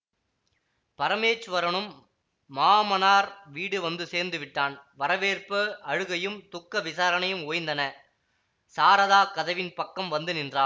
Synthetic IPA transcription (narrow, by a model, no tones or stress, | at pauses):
pɐɾɐmeːt͡ʃːɯʋɐɾɐɳɯmː | aːmɐnaːɾʋiːɽɯʋɐnd̪ɯseːɾnd̪ɯʋɪʈːaːnʋɐɾɐʋeːrpɯʔɐɻɯɣɐjɯmt̪ʊkːɐʋɪsaːɾɐnɐjɯmoːjnd̪ɐnɐ | saːɾɐðaːkɐðɐʋɪnpɐkːɐmʋɐnd̪ɯnɪndraː